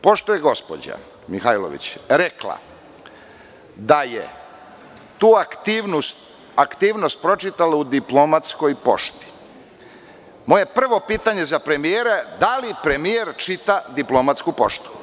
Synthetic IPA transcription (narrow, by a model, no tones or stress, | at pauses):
po̞ʃt̪ojeɡo̞spo̰d͡ʑa̰ | mixajlo̰ʋḭt͡ɕɾeklˠa̰ | d̪ajḛ | t̪uːakt̪iʋnust̪ | akt̪iːʋnost̪̚pɾo̞t͡ʃit̪alaud̪iplomat̪skojpo̞̰ʃt̪i̥ | mo̞je̞pr̩ʋo̞piːt̪aɲe̞zapɾe̞mijeːɾed̪alipɾe̞mijeɾt͡ʃit̪ad̪iplˠomat̪skupo̞̰ʃt̪u̥